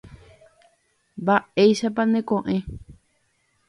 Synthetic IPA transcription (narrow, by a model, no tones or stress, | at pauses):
baeiʃapanẽkõʔẽ